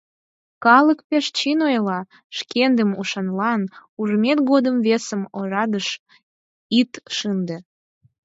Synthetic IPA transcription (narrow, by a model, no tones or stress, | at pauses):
kɑləkpeʃt͡ɕinojlɑ | ʃkend̪əmuʃɑnlɑnuʒmet̪ɡod̪əmvesəmoɾɑd̪əʃ | it̪ʃɨnd̪ə